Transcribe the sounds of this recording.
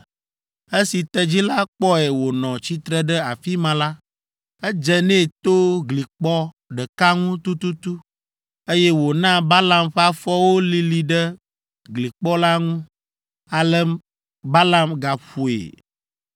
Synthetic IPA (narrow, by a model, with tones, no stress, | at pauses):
e˦si˨t̪ɛ˨d͡ʑi˦la˦k͡pɔ˦ɛ˨wo˨nɔ̃˨t͡ɕi˦t̪ɾɛ˦ɖɛ˦a˨fi˦mã˨la˦ | ɛ˦d͡ʒɛ˨nɛ̃˦˨t̪o˦ɡli˨k͡pɔ˦ | ɖɛ˨ka˦ŋũ˦t̪u˦t̪u˦t̪u˦ | e˦jɛ˦wo˨nã˦ba˦la˦mɸa˦fɔ˦wo˦li˦li˨ɖɛ˦ | ɡli˨k͡pɔ˦la˦ŋũ˦ | a˨lɛ˦m | ba˦la˦mɡa˨ɸu˨ḛ˨